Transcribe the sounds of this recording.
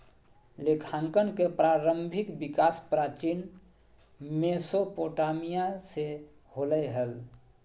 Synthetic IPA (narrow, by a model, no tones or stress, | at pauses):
lekʰaŋkənkepɾaɾəmbʱikbikaspɾat͡ʃin | mesopoʈamijase | holəɦəl